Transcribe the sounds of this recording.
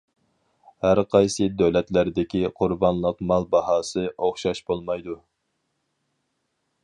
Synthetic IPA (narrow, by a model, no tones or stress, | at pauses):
hæɾqʰɑjsɨd̪øwlɛt̪læɾd̪ɪkʲiqʰʊɾbɑnlˠəqmɑlˠbɑhɑːsɨʔoχʃɑʃbolˠmɑjd̪u